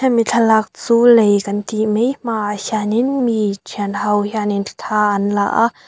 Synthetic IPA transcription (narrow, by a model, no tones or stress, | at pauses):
hamit͡ɬʰalak̚t͡suːlejkɐnt̪imejm̥aʔahjaninmitʰinhɐwhjaninʰt̪ʰaːʔɐnla̰ʔa